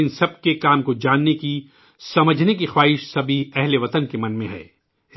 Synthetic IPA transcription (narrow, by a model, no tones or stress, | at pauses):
ɪnsɐb̚kekaːmkod͡ʒaːnːeki | sɐməd͡ʒʱnekixwaːɦɪʃsɐbʱiɛɦleʋɐt̪ənkemɐnmẽɦɛ̰ː